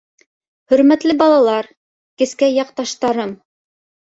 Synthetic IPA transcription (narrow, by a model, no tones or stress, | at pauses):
hɵ̆ɾmæt̪lɘbɑlˠɑlˠɑɾ | kɘ̆skæjɑqt̪ɑʃt̪ɑɾɤm